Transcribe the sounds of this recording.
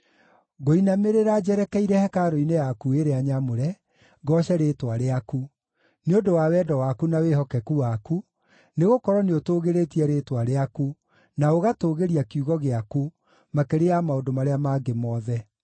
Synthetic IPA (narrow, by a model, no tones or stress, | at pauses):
ɡoinameɾeɾad͡ʒɛɾɛkɛiɾɛhɛkaɾoinejakueɾeaɲamoɾɛ | ɡɔɕɛɾetwaɾeaku | neondowawɛdɔwakunawehɔkɛkuwaku | neɣokɔɾɔneotoːɣeɾetiɛɾeːtwaɾeaku | naoɣatoɣeɾiakiuɣɔɣeaku | makeɾejamaodomaɾeamaːɡemɔðɛ